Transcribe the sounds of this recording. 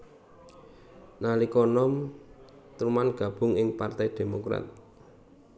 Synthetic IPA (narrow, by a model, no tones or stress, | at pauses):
nalikɔnɔm | t̪uɾumanɡ̥a̤b̥ʊ̤ŋɪŋpart̪ɛjd̪̥e̤mokɾa̰t̪̚